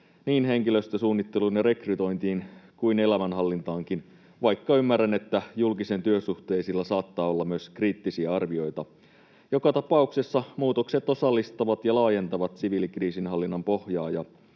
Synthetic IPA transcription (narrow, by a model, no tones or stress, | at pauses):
niːnɦe̞ŋkiløst̪øsuːnːit̪ːe̞lunɑɾe̞kryt̪o̞jnt̪iːnkuinelæmænɦɑlːint̪ɑːŋkin | ʋɑjkːɑymːærænet̪ːæjulkise̞nt̪yøsuht̪e̞jsilːɑsɑːt̪ːɑːo̞lːɑmyøskriːt̪ːisiɑɑrʋio̞jt̪ɑ | jo̞kɑt̪ɑpɑukse̞sːɑmuːt̪okset̪o̞sɑlːist̪ɑʋɑt̪jɑlɑːje̞nt̪ɑʋɑt̪siʋilikriːsinɦɑlːinːɑmpo̞hjɑːjɑ